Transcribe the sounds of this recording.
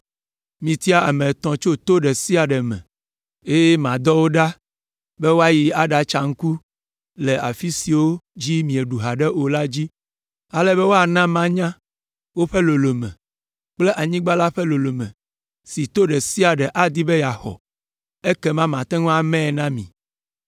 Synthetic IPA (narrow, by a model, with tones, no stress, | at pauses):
mĩ˨t̪i˦a˦a˨mɛ̃˨t̪ɔ̃˨t͡ʃo˦t̪o˦ɖɛ˨si˦a˨ɖɛ˨mɛ̰̃˨ | e˦je˦mã˨d̪ɔ˦wo˦ɖa˦ | bɛ˦wo˦a˦ji˨a˨ɖa˨t͡ʃa˨ŋ̩˦ku˦ | lɛ˨a̰˨fi˦si˨wo˦d͡ʑi˦mĩ˨e˨ɖu˨ɦa˨ɖɛ˦ʔo˨la˦d͡ʑi˦ | a˨lɛ˦bɛ˦wo˦a˨nã˦mã˦ɲã˦ | wo˦ɸɛ˦lo˨lo˨mɛ̰̃˨ | k͡plɛ˦ʔa˨ɲĩ˦ɡ͡ba˦la˦ɸɛ˦lo˨lo˨mɛ̰̃˨ | si˨t̪o˦ɖɛ˨si˦a˨ɖɛ˨ʔa˨d̪i˦bɛ˦ja˨xɔ̰˨ | ɛ˦kɛ˦mã˦mã˨t̪ɛ̃˦ŋɔ̃˦a˨mɛ̃˦˨nã˦mḭ̃˨